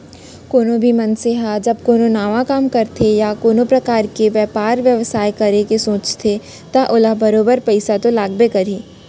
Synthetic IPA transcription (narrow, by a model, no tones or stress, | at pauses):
koːnõbʱimɐnseɦad͡ʒɐb̚koːnõnaːʋakaːmkɐɾt̪ʰejakoːnõpɾɐkaːɾkeʋjɛːpaːɾʋjɐʋsaːjkɐɾekesõːt͡ʃt̪ʰe | t̪aʔʊlabɐɾoːbəɾpɐɪsat̪olaːɡbekɐɾiː